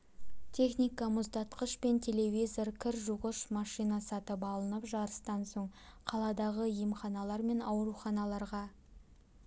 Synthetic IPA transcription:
t̪ʲʰe̞χnʲijkɑmʊzd̪ɑt̪qəʃpe̞nt̪ʲʰe̞le̞vʲijzo̞ɾkʲʰɪɾʒuʁəʃmɑʃijnɑsɑt̪əpɑlˠənəpʒɑɾəst̪ɑnsoɴqʰɑlˠɑd̪ɑʁəjemχɑnɑlˠɑɾme̞nɑwɾuχɑnɑlˠɑɾʁɑ

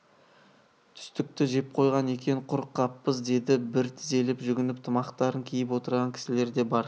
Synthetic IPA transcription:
t̪ʰʏ̥st̪ɪk̚t̪ɪʒe̞p̚qʰo̞jʁɑne̞kʲe̞ŋqʰʊɾqːɑpːəzd̪e̞d̪ɪbɪɾt̪ʰɪze̞lɪpʒʏɡʲɪnɪp̚t̪ʰəmɑqt̪ɑɾəŋkʲʰijɪp̬wo̞t̪əɾʁɑŋkʲʰɪ̥sɪle̞ɾd̪e̞bɑɾ

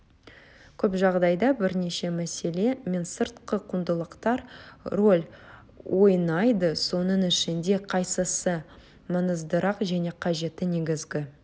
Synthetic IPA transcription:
kʲʰɵpʒɑʁd̪ɑjd̪ɑbɪɾne̞ʃe̞mæse̞le̞me̞nsəɾt̪qəqʰʊnd̪əlˠəqt̪ɑɾro̞lʲ | wʔo̞jnɑjd̪əso̞nəɴɪʃɪnd̪e̞qʰɑjsəsə | mənəzd̪əɾɑqʒæne̞qʰɑʒe̞t̪ɪne̞ɡʲɪzɡʲɪ

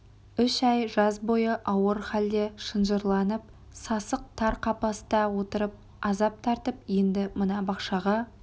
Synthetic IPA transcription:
ʏʃɑjʒɑzbo̞jəʔɑwəɾχæld̪e̞ʃənʒəɾlˠɑnəp̚ | sɑsəq̚t̪ʰɑɾqʰɑpɑst̪ɑwo̞t̪əɾəp̚ | ɑzɑp̚t̪ʰɑɾt̪əpje̞nd̪ɪmənɑbɑqʃɑʁɑ

